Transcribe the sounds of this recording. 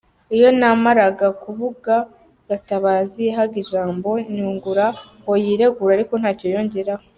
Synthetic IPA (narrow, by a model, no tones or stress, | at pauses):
ijo̞namaɾaɡakuβuɡa | ɡ̥ataβaːzijeɦaɡiʒaːmbo̞ɲuːŋɡuɾa | o̞jiːɾe̞ɡuɾaɾiko̞n̥haːco̞jo̞ːɲɟeɾaho